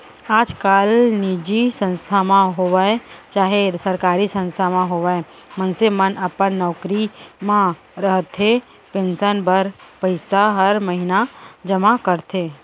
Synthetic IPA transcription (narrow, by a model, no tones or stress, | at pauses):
aːd͡ʒkaːlnid͡ʒisə̃nst̪ʰamãɦoʋaet͡ʃaːɦesəɾkaːɾisə̃nst̪ʰamãɦoʋae | mənsemənəpənːɔːkɾimã | ɾəɦt̪ɦe | pẽːnsənbəɾpəɪsaɦəɾməɦɪnad͡ʒəmakəɾt̪ɦeː